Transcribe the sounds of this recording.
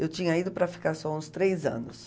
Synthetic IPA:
ewt͡ʃĩɲɐid̪ʊpɾɐfi̥kaɾsɔũst̪ɾejzɐ̰̃nʊs

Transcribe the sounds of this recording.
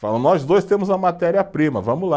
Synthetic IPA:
falɐ̃nɔzd̪ojst̪ẽmʊzɐmat̪ɛɾiɐpɾĩmɐ̰vɐ̃mʊla

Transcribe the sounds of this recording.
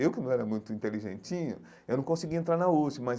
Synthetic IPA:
ewkɪnɐ̃w̃ɛɾɐmũj̃t̪ʊĩnt̪eliʒḛ̃nt͡ʃĩɲʊ̰ | ewnɐ̃w̃kõsɪɡiẽnt̪ɾaɾnɐusimɐz

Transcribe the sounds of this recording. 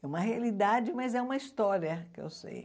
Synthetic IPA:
ɛũmɐɦealid̪ad͡ʒɪmɐzɛũmɐist̪ɔɾiɐkɪḛwsḛj

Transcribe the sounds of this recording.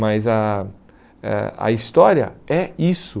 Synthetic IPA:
mɐzɐ | ɛ̰ɐ̰ist̪ɔɾiɐ̰ɛisʊ

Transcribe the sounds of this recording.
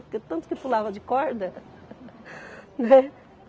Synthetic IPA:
pʊɾket̪ɐ̃nt̪ʊ̥kɪpulavɐd͡ʒɪkɔɾd̪ɐ | nɛ

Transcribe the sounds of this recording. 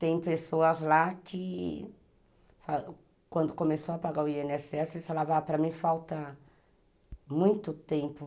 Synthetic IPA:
t̪ẽj̃pesoɐzlakʰɪ | fa | kwɐ̃nd̪ʊkomesoɐpaɡaʊiẽnɪɛsɪɛsɪsalavapɾɐmĩfawt̪ɐ | mũj̃t̪ʊt̪ẽmpʊ

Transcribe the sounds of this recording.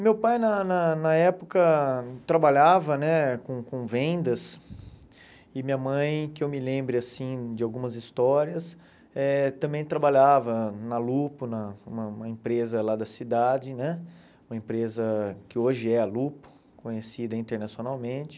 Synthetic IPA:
mewpajnɐnɐnɐɛpʊkɐt̪ɾabaʎavɐnɛkõkõvẽnd̪ɐs | ɪmĩɲɐmɐ̃j̃kɪewmɪlẽmbɾɪasĩd͡ʒɪawɡũmɐzist̪ɔɾiɐs | ɛt̪ɐ̃mbẽj̃t̪ɾabaʎavɐnɐlupʊnɐũmɐũmɐẽpɾezɐlad̪ɐsid̪ad͡ʒɪnɛ | ũmɐẽpɾezɐkɪoʒɪɛɐlupʊ̥ | kõɲesid̪ɐĩnt̪eɾnasionawmẽt͡ʃɪ̥

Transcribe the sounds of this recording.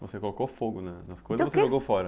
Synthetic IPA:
vosekolokowfoɡʊnɛnɐskojzvoseʒoɡowfɔɾɐ

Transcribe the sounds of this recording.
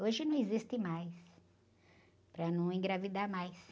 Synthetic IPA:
oʒɪnɐ̃w̃ɪzist̪ɪmajs | pɾɐnɐ̃w̃ẽɡɾavid̪aɾmajs

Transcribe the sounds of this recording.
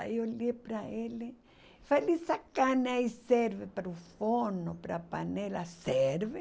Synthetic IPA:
a̰iolepɾaele | falisakaneaiseɾvepaɾufonopɾapa̰nelaseɾve

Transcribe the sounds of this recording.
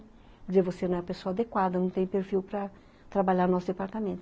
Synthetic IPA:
zeɾvosenɐ̃w̃ɛpesoɐad̪ekwad̪ɐnɐ̃w̃t̪ẽj̃peɾfiwpɾɐ | t̪ɾabaʎaɾnɔsʊzd̪epaɾt̪amẽnt̪

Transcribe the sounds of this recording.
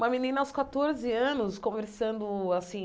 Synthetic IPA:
ũmɐminĩnɐawskat̪oɾzɪɐ̃nʊskõveɾsɐ̃nd̪ʊasĩ

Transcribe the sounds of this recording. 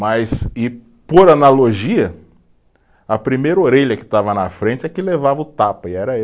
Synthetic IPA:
mɐjsɪ | poɾanaloʒiɐ | ɐpɾimejɾɐoɾeʎɐkɪ̥t̪avɐnɐfɾẽt͡ʃɪɛkɪlevavɐʊt̪apɐɪɛɾɐe

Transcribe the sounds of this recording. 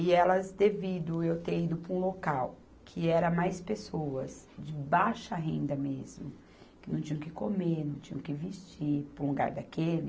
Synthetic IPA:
ɪɛlɐzd̪evid̪ʊewt̪eɾid̪ʊpɾũlokaw | kʰɪɛɾɐmajspesoɐsd͡ʒɪbaʃɐɦẽnd̪ɐmezmʊ | kɪnɐ̃w̃t͡ʃĩɲɐ̃kɪkomeɾnɐ̃w̃t͡ʃĩɲɐ̃w̃kɪvist͡ʃiɾpɾʊluɡa̰ɾd̪akelɪ

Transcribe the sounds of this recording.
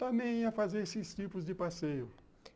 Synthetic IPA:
t̪ɐ̃mbẽj̃iɐfazeɾesɪst͡ʃipʊzd͡ʒɪpasejʊ

